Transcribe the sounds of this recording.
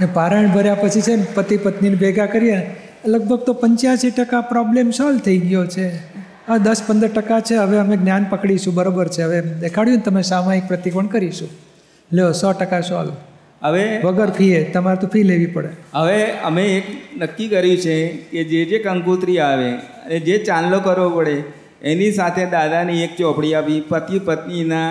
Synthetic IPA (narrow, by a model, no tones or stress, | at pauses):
nepaɾəɳbʱəɾjapət͡ʃʰit͡ʃʰenpət̪ipət̪ninibʱeɡakəɾijene | ləɡ̚bʱəɡ̚t̪opəɲt͡ʃjasiʈəkapɾɔblemsɔlt̪ʰəiɡəjot͡ʃʰe | əd̪əspənd̪əɾʈəkat͡ʃʰeɦəʋeəmeɡnjanpəkɽiʃũbəɾobəɾt͡ʃʰeɦəʋed̪ekʰaɽjũnet̪əmesamaik̚pɾət̪ipəɳkəɾiʃũ | leosɔʈəkasɔl | əʋeʋəɡəɾpʰiet̪əmaɾt̪õpʰileʋipəɽḛɦəʋeə̰meːknəkːikəɾjũt͡ʃʰeked͡ʒed͡ʒekəŋkut̪ɾiaʋe | əned͡ʒet͡ʃanlokəɾʋopəɽe | enisat̪ʰed̪ad̪aniek̚t͡ʃɔpɽiapipət̪ipət̪nina